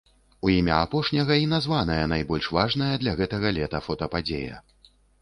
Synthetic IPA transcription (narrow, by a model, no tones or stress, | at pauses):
uimʲɐapɔʂnʲɐɣɐinazvan̪ɐjɐnajbɔlʲʂvaʐnɐjɐd̪lʲɐɣɛt̪ɐɣɐlʲɛt̪ɐfɔt̪ɐpad͡zʲejɐ̰